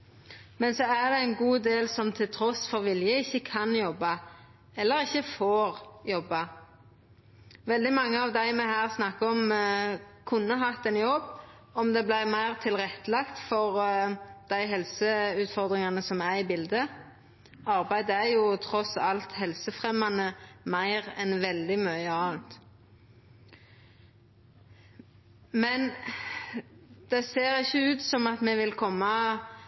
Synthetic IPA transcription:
mɛnsɔæd̪ɛɛɪnɡuːd̪eːlsɔmt̪ʰɪlt̪ʰɾɔsfɔʁʋɪljəɪçːəkʰɑnjɔbːɑ | ɛlːəɾɪçːəfoːʁjɔbːɑ | ʋɛld̪ɪmɑŋːəɑʋd̪æɪmɛhæːʁsnɑkːəɔm | kʰʊnːəɦɑt̪ːɛnjɔb | ɔmd̪ɛblæɪmæɪʁt̪ʰɪlʁɛt̪ːəlɑkt̪fɔʁd̪̥æɪɦɛlsəʉːt̪fɔʁd̪ʁɪŋɑnəsɔmæʁɪbɪld̪ə | ɑʁbæɪd̪əæjʊt̪ʰɾɔsɑlt̪hɛlsəfʁɛmɑnəmæɪʁɛnʋɛld̪ɪmøəɑːnt̪ | mɛn | d̪̥ɛseːʁɪçːəʉːt̪sɔmɑt̪mɛʋɪlkʰɔmːɑ

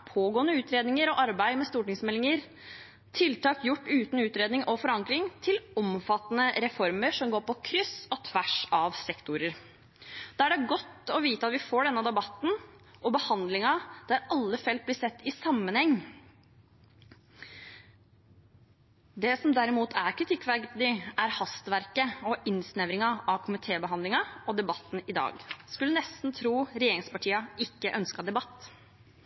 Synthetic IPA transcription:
pʰoːɡoːnəʉːt̪ɾeːd̪nɪŋəɾɔʔɑɾbæɪmɛst̪uːʈɪŋsmɛlːɪŋəɾ | t̪ʰɪlt̪ʰɑːkjʊʈːʉːt̪n̩ʉːt̪ɾeːd̪ɪŋʔɔfɔɾɑŋklɪŋt̪ʰɪlɔmfɑt̪ːənəɾɛfɔɾməɾʂɔmɡoːɾpɔkʰɾʏsɔt̪ʰʋæʂɑʋsɛkt̪ʊɾəɾ | d̪̥ɛːæɖɛɡɔt̪ːɔʋiːt̪əɑt̪ʋɪfoːɖɛnːəd̪ɛbɑt̪ːn̩ | ɔbəhɑnd̪lɪŋɑd̪̥æɾɑlːəfɛlt̪̚blɪsɛt̪ːɪsɑmːənhɛŋː | d̪ɛsɔmd̪æɾɪmuːt̪ʰæɾkʰɾɪt̪ʰɪkːʋækd̪ɪæɾhɑst̪ʋæɾkəɔʔɪnsnɛʋɾɪŋɑʔɑʋkʰʊmɪt̪ʰeːbəɦɑnd̪lɪŋɑɔd̪ɛbɑt̪ːn̩ɪd̪ɑ̰ːɡskʉlːənɛst̪n̩t̪ʰɾuːɾɛjeːɾɪŋspɑʈʰiːɑɪkːəʔœnskɑd̪ɛbɑt̪ː

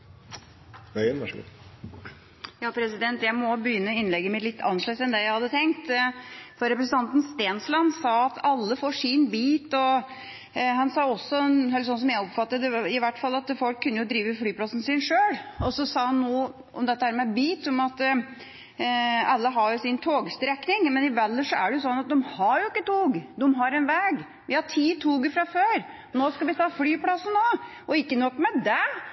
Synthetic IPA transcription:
ʋɛɪənʋæʂ | jɑːpʰɾɛsɪd̪ɛnt̪jæɪmɔbəjʏnːəɪnlɛɡːəmɪt̪lɪt̪ːɑ̰nːʂlœsɛnd̪ɛjæɪhɑd̪ːət̪ʰɛŋk̚t̪fɔɾɛpɾəsən̩t̪ɑnt̪n̩st̪eːnslɑnsɑːɑt̪ʰɑlːəfoːʂinbiːt̪ɔ | hɑnsɑːɔsːɔɛnɦɛlsɔns̬ɔmjæɪɔpfɑt̪ːəɛɪʋæʈːfɑlːɑt̪fɔlkʰːʉnːəjʊd̪ɾiːʋəflyːpʰlɑsn̩sɪnʂøːɽɔsɔsɑːhɑnːuː | ʔɔ̰md̪ɛt̪ːəhæːɾmɛbiːt̪ɔmɑt̪ | ɑlːəɦɑɾjʊsɪnt̪ʰoːɡst̪ɾɛknɪŋmɛnɪʋɛlːəʂɔæ̰ɖɛjʊsɔnːɑt̪̚d̪ɔmhɑjʊɪkːət̪uːɡd̪ɛmɦɑɾɛnʋɛːɡ | ʋɪhɑʈʰiːt̪ʰuːɡəfɾɑføːɾ | noːskɑlʋɪt̪ʰɑːfɽyːplɑsənoː | ɔɪkːənɔkːmɛd̪ɛ

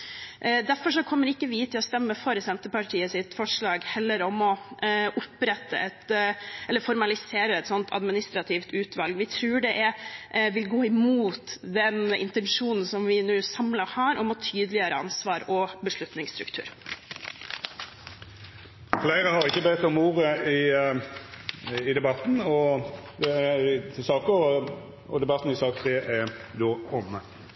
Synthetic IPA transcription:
d̪æɾfɔʂɔkʰɔmːəɾɪkːəʋɪt̪ʰɪlɔst̪ɛmːəfɔɾsɛnt̪əpɑʈʰiːəsɪt̪fɔʂɭɑːɡhɛlːəɾɔmɔʔʊpɾɛt̪ːə̰ʔɛt̪ɛlːəɾfɔɾmɑlɪseːɾəɛt̪sɔnt̪ʰɑ̰d̪mɪnɪst̪ɾɑt̪ʰɪft̪ʰʉːt̪ʰʋɑlɡʋɪt̪ʰɾʉːɖɛʔɛʋɪlɡoːɪmuːt̪d̪ɛnɪ̰nt̪ɛnʂuːnn̩sɔmʋɪnuːsɑmlɑhɑːɾɔmɔt̪ʰyːd̪lɪəɾəɑnsʋɑːɾɔbəʂɭʉt̪nɪŋst̪ɾʉkt̪ʰʉ̰ːɾ | flæɪɾəhɑɾɪkːəbɛt̪ːɔmuːɾəɪ | ɪd̪ɛbɑt̪n̩ɔd̪ɛæt̪ʰɪlsɑːkoːʋəʁ | ɔ̰d̪ɛbɑt̪n̩ɪsɑːk̚t̪ʰʁeːʔæd̪oːɔmːə

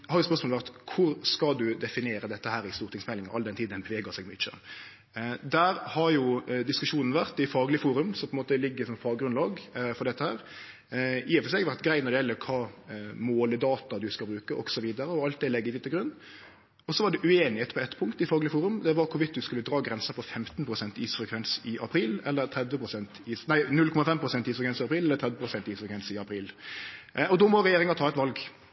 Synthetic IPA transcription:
hɑɾjʊspœɾsmolʋæɾt̪kʰʊɾskɑd̪ʉd̪ɛfɪnɪeːɾəd̪ɛt̪ːəhæːɾɪst̪uːɾt̪ɪŋsmɛlːɪŋɑʔɑ̰ld̪ɛnt̪ʰiːd̪ɛnbəʋeːɡəsɛɡmʏt͡ʃːə̰ | d̪æːɾhɑɾjʊd̪ɪskʉʂuːnn̩əʋæɾt̪ɪfɑːɡlɪəfuːɾʉmsɔmpʰɔɛnoːt̪əlɪɡːəɾsɔmfɑːɡɾʉnlɑːɡfɔɾɖ̪ɛt̪ːəhæːɾ | ɪːɛfəsɛɡʋæɾt̪ɡɾæɪt̪nɔɾd̪ɛjɛlːəɾkʰɑːmoːləd̪ɑːt̪ɑd̪ʉskɑlbɾʉːkəʔɔ̰ksɔʋiːd̪əɾəɔɑlt̪̚d̪ɛlɛɡːəɪʋɪt̪ːəɡɾʉnː | ɔsɔʋɑɖɛʔʉeːnɪheːt̪pʰɔɛt̪ːpʰʊŋkt̪ɪfɑɡlɪəfuːɾʉmd̪ɛʋɑɾkʰʊʋɪt̪̚d̪ʉskʉlːəd̪ɾɑːɡɾɛnsəpʰɔfɛmt̪npʰɾʊsɛnt̪iːsfɾɛkʰʋɛnsɪʔɑpʰɾiːlɛlːəɾt̪ʰɾɛd̪ʋəpʰɾʊsɛnt̪iːsnæɪnʉlkʰɔmɑfɛmpʰɾʊsɛnt̪iːsfɾɛkʰɛnsɪɑpɾiːlɛlːət̪ʰɾɛd̪ʋəpɾʊsɛnt̪iːsfɾɛkʰʋɛnsɪɑpʰɾiːl | ɔd̪oːmɔɾɛjeːɾɪŋɑt̪ʰɑːɛt̪ʋɑlɡ

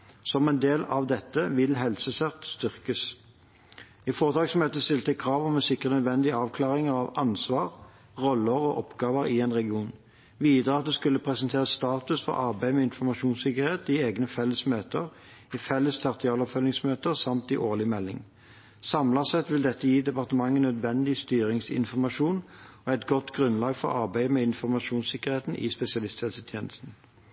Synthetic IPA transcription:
sɔmɛɪnd̪eːlɑʋd̪ɛt̪ːəʋɪlɦɛlsəsɛʁt̪st̪ʏʁkəs | ɪfoːʁət̪ʰɑːɡsmøːt̪əst̪ɪlt̪əkʰʁɑːʋɔmɛnsɪkʁənœd̪ʋɛnd̪ɪɑːʋkʰlɑːʁɪŋəʁɑʋɑnsʋɑːʁ | ʁɔlːəʁɔːʔɔpɡɑːʋəʁɪeːnʁɛɡɪuːn | ʋiːd̪əʁəɑt̪̚d̪ɛskʉlːəpʰʁɛsənt̪ʰeːʁəst̪ɑːt̪ʉsfɔ̰ʁɑʁbeːmɛɪnfɔʁmɑʃuːnsɪkəʁheːt̪ɪeːɡnəfɛlːəsmøːt̪əʁ | ɪfɛlːəst̪ʰɑʁt̪ʰɪɑːlɔpfœlːɪŋsmøːt̪əʁsɑmt̪ɪʔoːʁlɪmɛlːɪ̰ŋ | sɑmlɑsɛt̪ʋɪld̪ɛt̪ːəjiːd̪ɛpɑʁt̪əmɑŋːənœd̪ʋɛnd̪ɪst̪yːʁɪŋsɪ̰nfɔʁmɑʃuːnɔæɪt̪ɡɔt̪ɡʁʉnlɑːɡfɔ̰ʁɑ̰ʁbæɪəmɛɪnfɔʁmɑʃuːnsɪkəʁheːt̪n̩ʔɪ̰spɛsɪɑlɪst̪ʰeːlsət̪ʰjeːnəst̪n̩

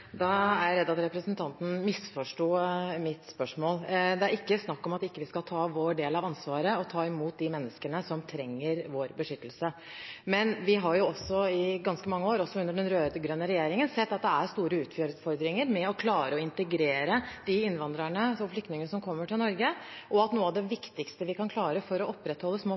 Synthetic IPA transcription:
d̪ɑæɾjɾɛd̪ːɑt̪ɾɛpɾəsnt̪ʰɑnt̪n̩mɪsfɔʂʈoːmɪt̪spœʂmoːld̪ɛæɾɪkːəsnɑkːɔmɑt̪ɪkːəʋɪskɑlt̪ʰɑːʋoːɖeːlɑʋɑnsʋɑːɾəɔt̪ʰɑːɪmuːt̪̚d̪ɪmɛnːəskənəsɔmt̪ʰɾɛŋːəɾʋoːɾbəʂʏt̪ːəl̩sə | mɛnʋɪɦɑɾjʊɔsːɔɪɡɑnskəmɑŋːəoːɾɔsɔʉnd̪əɖɛnɾøːd̪əɡɾœnːəɾɛjeːɾɪŋənsɛt̪ːɑt̪̚d̪ɛæɾst̪uːɾəʉːt̪føːɾfɔɾd̪ɾɪŋəɾmɛɔkʰlɑːɾəɔɪnt̪əɡɾeːɾəd̪̥ɪɪnʋɑnd̪ɾəɳəɔflʏkt̪nɪŋənəsɔmkʰɔmːəʈʰɪlnɔɾɡəʔɔɑt̪nuːəɑʋd̪ɛʋɪkt̪ɪkst̪əʋɪkʰɑnkʰlɑːɾəfɔɾɔɔpːɾɛt̪hɔlːəsmoː

